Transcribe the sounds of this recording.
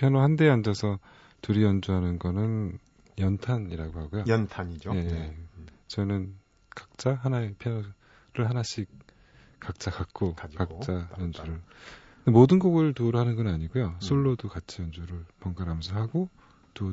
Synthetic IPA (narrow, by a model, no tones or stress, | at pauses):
pʰjʌnohandeand͡ʑʌsʰʌ | tuɾijʌnd͡ʑuɦanɯnɡʌnɯn | jʌntʰaniɾaɡoɦaɡojontʰaɲije̞ | t͡ɕʌinɯn | kak̚t͡ɕ͈aɦanaepʰjʌno | ɾɯɭhanaɕʰik̚ | k͈ːak̚t͡ɕ͈akak̚k͈ʰokakkt͡ɕ͈ajʌnd͡ʑuɾɯ | emodɯnɡoɡɯɭtuɾuɦanɯnɡʌnaɲiɡojosʰoɭːodukat͡ɕʰijʌnd͡ʑuɾɯɭpʌŋɡaɾɦamjʌnsʰʌɦaɡo | tu